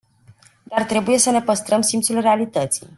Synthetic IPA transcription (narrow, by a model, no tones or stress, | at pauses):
d̪art̪ɾe̞buje̞səne̞pəst̪ɾəmsimt̪sulre̞alit̪ət̪sḭj